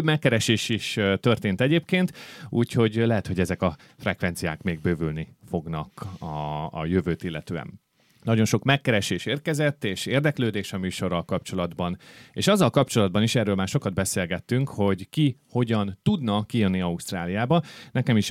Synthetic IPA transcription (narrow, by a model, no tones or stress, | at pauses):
bmɛkːɛɾɛʃeːʃiʃt̪ø̞rt̪eːnt̪ɛɟeːp̚keːnt̪uːcho̞ɟlɛɦɛt̪ho̞ɟɛzɛkɒ | frɛkʋɛnt̪sija̰ːkmeːɡ̚bøːvylnifo̞ɡnɒkɒ̰ːjøvøːt̪ilːɛ̰t̪øːɛ̰n | nɒɟo̞nʃo̞kmɛkːɛɾɛʃeːʃeːrkɛzɛt̪ːeːʃeːrd̪ɛkløːd̪eːʃɒmyːʃo̞rːɒlkɒpt͡ʃo̞lɒd̪bɒnḛːʃɒzːɒlkɒp̚t͡ʃo̞lɒd̪bɒniʃɛrːøːlmaːrʃo̞kɒd̪̚bɛseːlɡɛt̪ːyŋkho̞ɟkiho̞ɟɒnt̪ud̪nɒkijønːiɒust̪raːlijaːbɒnɛkɛmiʃ